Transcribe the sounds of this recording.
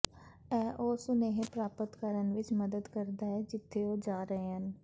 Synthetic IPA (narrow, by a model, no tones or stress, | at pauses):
ɛːʔoːsʊneːɦẽpɾaːpət̪kəɾənʋɪt͡ʃməd̪əd̪kəɾd̪aːɦɛːd͡ʒɪt̪ʰːeːoːd͡ʒaːɾəɦeːɦən